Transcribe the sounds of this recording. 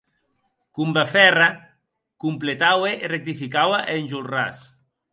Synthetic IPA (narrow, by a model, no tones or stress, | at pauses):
kumbafɛra | kumplet̪aweʔirek̚t̪ifikawaʔenʲʒulra̰s